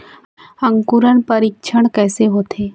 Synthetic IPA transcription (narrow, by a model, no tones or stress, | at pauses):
ɐ̃ŋkuɾənpəɾikʃʰəɽ̃kɛːseɦoːt̪ʰeː